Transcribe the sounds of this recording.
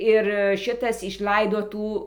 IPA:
ɪr ˈʃʲɪtɐs ɪʃˈlˠɐɪdoː ˈtuː

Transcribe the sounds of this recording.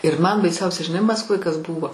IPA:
ɪr mɐn bɐɪˈsʲɛʊsʲɛ ʒʲɪˈnɐɪ mɐskˈʋoːj kɐs ˈbuːʋoː

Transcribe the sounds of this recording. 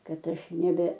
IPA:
ˈkɐt ˈɐʃ nʲɛˈbʲɛ

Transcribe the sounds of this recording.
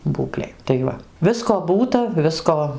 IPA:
ˈbuːklʲeːj tɐɪ ˈʋɐ ˈʋʲɪskoː ˈbuːtɐ ˈʋʲɪskoː

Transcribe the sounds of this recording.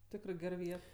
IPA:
ˈtʲɪkrɜ ˈɡʲɛr ˈʋʲiɛt

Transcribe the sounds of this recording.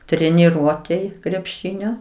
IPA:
tʲrʲɛnʲɪˈruɔtʲeːj krʲɛpʲˈʃʲɪnʲoː

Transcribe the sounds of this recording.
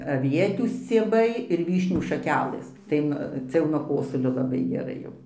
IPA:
ɐˈʋʲiɛtʲuː sʲt͡sʲiɛˈbɐɪ ɪr ˈʋʲiːʃʲnʲuː ʃɐˈkʲæːlˠɘs ˈtɐɪ nʊ ˈt͡sʲɛ jɛʊ nuɔ ˈkoːsʊlʲoː lˠɐˈbɐɪ ɡʲɛˈrɐɪ jɛʊ

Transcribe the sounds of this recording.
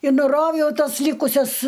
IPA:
ɪ nʊˈroːwjɛʊ ˈtɐs ˈlʲiːkʊsʲɛs

